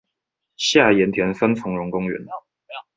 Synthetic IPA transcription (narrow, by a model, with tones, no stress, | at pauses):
ɕja˥˩jɛ˧˥nt̪ʰjɛ˧˥nfə˥nt͡sʰʊ˧˥ŋɻʊ˧˥ŋkʊ˥ŋɥɛ̰˧˥n